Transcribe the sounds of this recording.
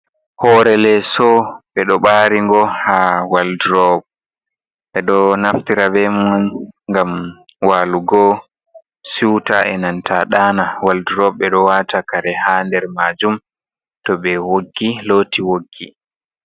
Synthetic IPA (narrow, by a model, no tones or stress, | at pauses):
hɔɾɛlɛsɔɓɛɗɔɓaːɾiŋɡɔhawalduɾɔb̚ | ɓɛɗɔnaftiɾabɛmɔnŋɡam | waluɡɔ | siwtaʔɛnantʰaɗanawalduɾɔbɛɗɔwatakaɾɛhandɛɾmad͡ʒum | tɔɓɛwoɡːilotiwoɡːi